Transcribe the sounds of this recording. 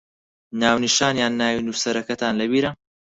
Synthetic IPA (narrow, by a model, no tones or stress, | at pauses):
naːwniʃaːnjaːnːaːwinuːsɐɾɐkɐt̪ʰaːnlɐbiːɾɐ